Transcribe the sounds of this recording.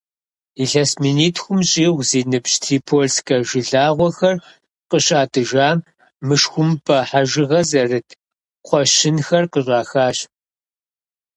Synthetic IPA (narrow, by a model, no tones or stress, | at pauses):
iɬɐsminiːtʰxʷʊmɕʼiːʁʷziːnɨpɕtʰiːpʰoːɮskʰʼɐʒɪɮaːʁʷɔxɐr | qəɕʼaːtʼɨʒaː | mɨʂxʷʊmpʰʼɐħaʒɪʁɐzɐrɨtʰ | qʷʰɔʃɪnxɐrqəɕʼaːxaːɕ